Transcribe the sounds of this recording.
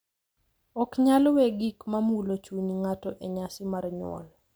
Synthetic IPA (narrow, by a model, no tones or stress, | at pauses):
ɔkɲalweɡikmamulot͡ʃuniŋatɔʔeɲasɪmarɲʊ̰wɔ̰l